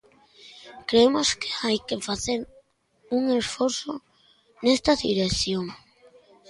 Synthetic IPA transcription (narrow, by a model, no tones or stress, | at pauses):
kɾemoske̥ajkefaθeɾ | uŋesfoɾθo | nest̪aðḭɾeθjoŋ